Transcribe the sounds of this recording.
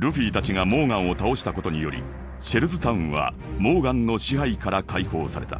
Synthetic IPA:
ɾɯ̟ɸiːt̪at͡ɕiŋamo̞ːɡãɰ̃o̞t̪ao̞ɕi̥t̪ako̞t̪o̞ɲ̟ijo̞̰ɾʲḭ | ɕe̞ɾɯ̟zɨt̪aɯ̟̃ɰ̃βa̰ | mo̞ːɡãnːo̞ɕiɦaikaɾakaiho̞ːsaɾe̞̰t̪a̰

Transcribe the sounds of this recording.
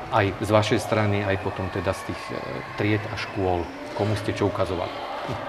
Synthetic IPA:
ʔajzʋaʃɛjst̪ɾaniajpɔt̪ɔmt̪ɛd̪ast̪iːx | t̪ɾɪɛt̪aʃkʊɔl | kɔmuscɛt͡ʃɔukazɔʋa̰li

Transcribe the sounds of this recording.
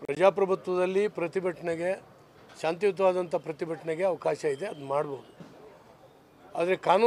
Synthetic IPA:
pɾɐd͡ʒaːpɾɐbʱut̪ʋɐd̪ɐlːipɾɐt̪ibʱɐʈʰɐɳeɡe̞ | ʃaːnt̪̬ijut̪̬ɐʋaːd̪ɐnt̪ɐpɾɐt̪ibʱɐʈʰɐɳeɡe̞ɐʋɐkaːʃɐid̪e̞ɐd̪maːɽboːd̪u | a̰ːd̪ɐɾe̞kaːnu

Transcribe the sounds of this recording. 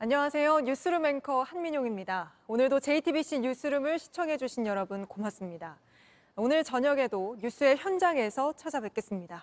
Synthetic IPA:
aɲːʌŋasʰe̞joɲus͈ʰɯɾɯme̞nkʰʌhanmiɲoŋimɲida | onɯɭdot͡ɕe̞itʰibiɕ͈ʰiɲus͈ʰɯɾɯmɯɭɕʰi̥t͡ɕʰʌŋɦe̞d͡ʑuɕʰinjʌɾʌbɯnkomas͈ɯmɲida | onɯɭt͡ɕʌɲʌɡe̞dojus͈ʰue̞çjʌnd͡ʑaŋe̞sʰʌt͡ɕʰad͡ʑabeɭk͈e̞s͈ɯmɲida

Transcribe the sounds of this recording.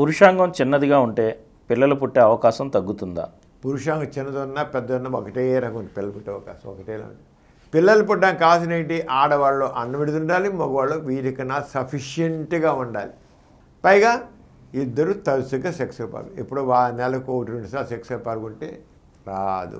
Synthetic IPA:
puɾuʂaːŋɡɐmt͡ʃinːɐd̪iɡaːuɳʈe̞ː | pilːɐlup̬uʈːeːɐʋɐkaːsɐmt̪ɐɡːut̪und̪a̰ː | puɾuʂaːŋɡɐt͡ʃinːɐd̪ɐnːɐpɛd̪ːɐɐnːɐɔkɐʈeːɾaːɡɐunɖ̪ipilːɐlupuʈːeːɐʋɐka̰ːsɐmɔ̰kɐʈeːlɐ̰ːṵn | pilːɐlɐpuʈːaːnkaːs̬inɐjɳʈiʔaːɽɐʋaːɭloːʔɐnːɐʋiɽid̪uɳɖaːlimɐɡɐʋaːɭːoːʋiːɾikɐnaːsɐpʰiʃjeɳʈɡaːuɳɖa̰ːli | pɐjɡaː | id̪ːɐɾut̪ɐɾusuɡaseksɡɐpɐ̰ːɾɡuipːuɽuʋaːɭɐnɛlɐkoʈɾoɳʈisaːɾseksɡɐpɐːɾɡuɳʈḛː | ɾaːd̪ṵ

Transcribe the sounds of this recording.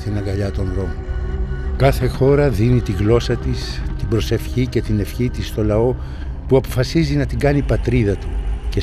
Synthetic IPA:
t̪inɐɡɐʎɐt̪o̞nðɾo̞mo | kɐθe̞xo̞ɾɐðinit̪iɣlo̞sɐt̪ist̪ibɾo̞se̞fçice̞t̪ine̞fçit̪ist̪o̞lɐo̞ | puɐpo̞fɐsizinɐt̪iɡɐnipɐt̪ɾiðɐt̪u̥ce

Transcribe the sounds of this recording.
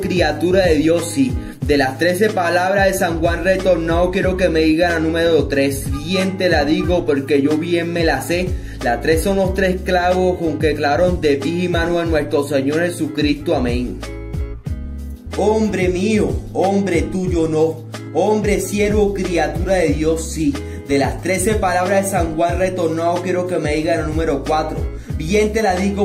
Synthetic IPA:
kɾiat̪uɾaðe̞ðjo̞si | d̪e̞last̪ɾe̞se̞palaβɾaðesaŋxwanret̪o̞ɾnaokje̞ɾo̞ke̞me̞ðiɣananũmeɾot̪ɾe̞sbje̞nt̪e̞laðiɣo̞po̞ɾke̞ʝo̞βje̞ŋme̞lase̞ | last̪ɾe̞sːo̞nlo̞st̪ɾe̞sklaβo̞skoŋkeklaβɾond̪e̞piimãnoanwe̞st̪ɾo̞seɲo̞ɾhe̞sukɾist̪oamẽŋ | ombɾe̞mioombɾe̞t̪uʝono | ombɾe̞sje̞ɾokɾiat̪uɾaðe̞ðjo̞sːi | d̪e̞last̪ɾe̞se̞palaβɾaðesaŋɡwalret̪o̞ɾnaokje̞ɾo̞ke̞meiɣanonũme̞ɾo̞kwat̪ɾo̞̰ | bjent̪e̞laðiɣo

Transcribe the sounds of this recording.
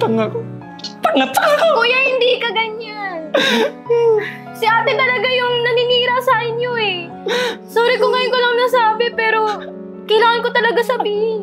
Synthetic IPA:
t̪ɐŋako | t̪ɐnɐt̪akkuːjahɪnd̪iːkɐɡɐɲan | sɪʔaːt̪ɛt̪ɐlɐɡajʊŋnɐnɪniːɾɐsaːʔɪɲɲoʔɛ | soːɾɪkoŋɐjonkolɐŋnɐsaːbɪpɛːɾo̞ | kɐjlaːŋɐnko̞t̪ɐlɐɡasɐbiːhɪn

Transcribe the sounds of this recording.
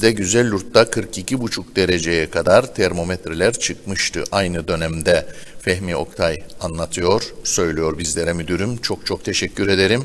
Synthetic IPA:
d̪ɛɟyzælʲːuɾt̪ːakʰɯɾkicʰibut͡ʃʰuk̚d̪e̞ɾe̞d͡ʒe̞jɛkʰad̪aɾt̪ʰæɾmo̞met̪ɾelʲæɾt͡ʃʰɯkmɯʃt̪ʰɯ̰ʔajnɯd̪ø̞næmd̪ɛfɛɦmio̞̰kt̪ʰajanlˠat̪ʰɯjo̞ɾ̥sø̞jlʲijo̞ɾbizlʲeɾɛmyd̪yɾymt͡ʃʰo̞k̚t͡ʃʰok̚t̪ʰeʃɛcʰːyɾe̞d̪e̞ɾim

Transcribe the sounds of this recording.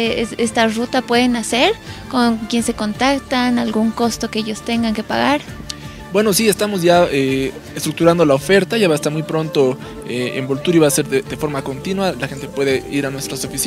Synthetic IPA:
esest̪arut̪apwe̞ðe̞nase̞ɾkoŋkje̞nse̞ko̞nt̪akt̪analɡuŋko̞st̪o̞keeʝost̪e̞ŋɡaŋke̞paɣaɾ | bwe̞no̞sie̞st̪amo̞zʝae | est̪ɾuk̚t̪uɾand̪o̞laofe̞ɾt̪aʝaβaest̪aɾmujpɾo̞nt̪o̞ | eḛmbo̞lt̪uɾiβaːse̞ɾðeðe̞fo̞ɾmako̞nt̪inwalaxe̞nt̪epwe̞ðe̞iɾanwe̞st̪ɾasofis

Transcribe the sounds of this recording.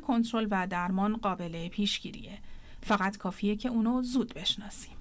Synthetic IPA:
kʰo̞nt̪ʰɾo̞lvæd̪æɾmɒːnɢɒːbe̞lepʰiːʃɟiːɾḭje | fæɣæt̪kʰɒːfiːjecʰe̞uːnozuːd̪be̞ʃnɒːsi̥m

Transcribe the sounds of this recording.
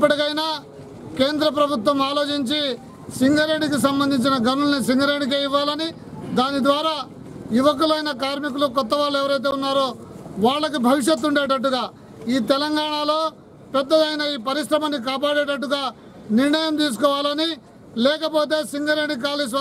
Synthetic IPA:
ip̬ːɐʈikɐjnaː | keːnd̪ɾɐp̬ɾɐbʱut̪wʋɐmaːlo̞ːt͡ʃiɲt͡ʃi | siŋɡɐɾeɖikis̬ɐmbɐnd̪ʱiɲt͡ʃinɐɡɐnulɐnis̬iŋɡɐɾeɖik̬eːiʋːaːlɐni | d̪aːnid̪ʋaːɾaː | juʋɐk̬ulɐjnɐkaːɾmik̬ulukɔt̪ːɐʋaːlːuɛʋɐɾɐjt̪̬e̞ːunːaːɾoːʋaːɭːɐk̬ibʱɐʋiʂjɐt̪ːuɳɖeːʈ̬ɐʈ̬ːuɡaː | iːt̪ɛlɐŋɡaːɳalo̞ː | pɛd̪ːɐd̪ɐjnɐiːpɐɾiʂɾɐmɐnːik̬aːpaːɽeːʈɐʈːuɡaː | niɾɳɐjɐmt̪̬iːs̬u̥kɔːʋaːlɐni | lɛːkɐpo̞ːt̪̬e̞ːsiŋɡɐɾeɖik̬aːlis̬

